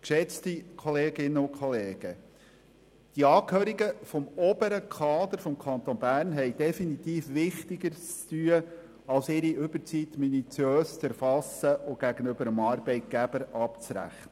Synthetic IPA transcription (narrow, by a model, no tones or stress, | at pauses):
kʃɛt͡stikʰɔleːɡɪnːəʊkʰχɔleːɡ̥ə | d̥iɑːkhøːɾiɡəfɔmɔb̥əɾəkʰɑːd̪əɾfɔmkʰɑnt̪onbæːɾnɦɛɪd̥ɛfinit̪iːfʋɪχt̪iɡəɾt͡st̪yə | ɑlsɪɾiʏbəɾt͡sit̪minit͡sjøːst͡sæɾfɑsəʔʊɡ̥æɡənʏbəɾəmɑɾb̥ɛɪt̪̚ɡ̥æbəɾɑpt͡sɾæ̰χnə